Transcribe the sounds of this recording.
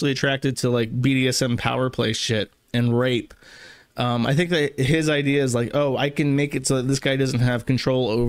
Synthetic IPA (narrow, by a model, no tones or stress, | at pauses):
l̩ˠiɨtʰɹ̥æk̚tɨd̚tʰəlaɪk̚biɾiɛsɛ̃mpʰa̰ʊə˞pʰl̥eɪsʃɪɾ | ɨ̃nɹeɪp | ʔʌ̃ma̰ɪθɪ̃ŋk̚ðɨɦɪzaɪdiɨːzlaɪkoʊa̰ɪkɨ̃nmeɪkɨtsoʊðɨt̪̚ðɪsɡ̥aɪdʌzn̩t̚ɦɨv̥kn̩tʰɹ̥oʊlˠoʊv